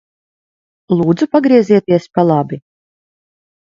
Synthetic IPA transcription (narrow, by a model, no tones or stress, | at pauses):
lˠuːd̪zupaɡɾiɛziɛt̪iɛspalˠabi